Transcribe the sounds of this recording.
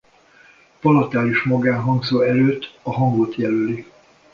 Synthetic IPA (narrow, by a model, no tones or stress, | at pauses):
pɒlɒt̪aːliʃmɒɡaːnɦɒŋɡzoːɛɾøːt̪ːɒɦɒŋɡot̪jɛløli